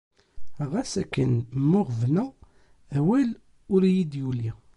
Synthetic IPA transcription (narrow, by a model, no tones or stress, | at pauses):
ʁæsækːənmːʊʁvnæ | æwæl | ʊɾjid̪juli